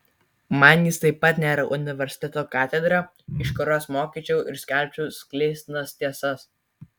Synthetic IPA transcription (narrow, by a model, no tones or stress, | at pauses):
mɐnjɪst̪ɐɪpːɐt̪ʲnʲæːɾɐʔʊnʲɪʋʲɛɾʲsʲɪ̥t̪ʲɛt̪oːkɑːt̪ʲɛd̪ɾɑ | ɪʃkɔɾoːsmoːkʲiːˑt͡ʃʲɛʊʔɪɾsʲkʲɛˑlʲpʲt͡ʃʲuʊsʲkʲlʲeɪsʲt̪ʲnɐst̪ʲiɛsɐs